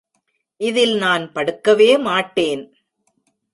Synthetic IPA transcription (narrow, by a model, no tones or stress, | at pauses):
ʔɪðɪlnaːnpɐɽɯkːɐʋeːmaːʈːeːn